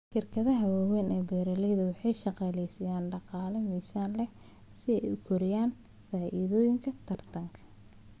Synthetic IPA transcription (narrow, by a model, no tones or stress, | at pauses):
ʃɪrkʰɐðɐɦɐwaːwɛːnɛːbɛːɾɐlɛjðɐwɑħɑjʃɑqɑːlɛjsɐjaːnɖɑqɑːlɐmiːsaːnlɛ | sɪɛ̰jʊkʰɔɾɪjaːn | faːʔiðɔːjɪŋkʰɐt̪ʰɐrt̪ʰɐŋkʰɐ̥